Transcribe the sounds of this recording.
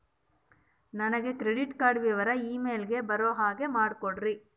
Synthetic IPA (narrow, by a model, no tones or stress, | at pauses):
nɐnɐɡe̞kɾeɖiʈkaːɖʋiːʋɐɾɐiːmeːlɡe̞bɐɾoːɦaːɡe̞maːɽkoɳɾi